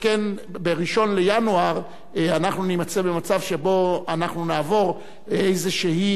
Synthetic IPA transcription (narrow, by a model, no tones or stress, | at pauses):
kenbeʁiʃo̞nle̞januaʁ | anaχnunimat͡sebe̞mat͡savʃe̞bo̞anaχnunaːvo̞ʁ | ejze̞ʃeɦi